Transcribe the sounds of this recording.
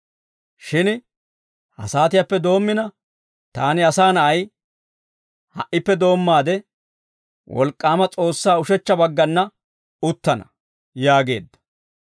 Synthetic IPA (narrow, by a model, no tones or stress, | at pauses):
ʃɪn | hɐ̰saːt̪ɪjapːɛd̪o̞ːmːɪnɐ | t̪aːnɪɐsaːnɐʔɐj | hɐ̰ʔɪpːɛd̪o̞ːmːaːd̪ɛ | wɔ̰lkʼːaːmɐt͡sʼo̞ːsːaːʊʃɛt͡ʃːɐbɐɡːɐnːɐ | ʊt̪ːɐnɐ | jaːɡe̞ːd̪ːɐ̥